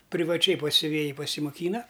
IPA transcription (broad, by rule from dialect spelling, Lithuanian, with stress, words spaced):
pʲrʲɪʋɐˈt͡ʃʲɛɪ pɐs sʲʊˈʋʲeːjɪ pɐsʲɪmoːˈkʲiːnɐ